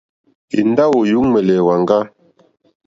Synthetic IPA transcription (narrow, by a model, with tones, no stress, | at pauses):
i˨n˦da˦wo˨ju˦ŋmɛ˨lɛ˨wa˨ŋ˦ɡa˦